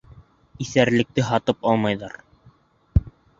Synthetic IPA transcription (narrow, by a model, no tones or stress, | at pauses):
iθæɾlɘ̆k̚t̪ɘɦɑt̪ɤpɑlˠmɑjðɑɾ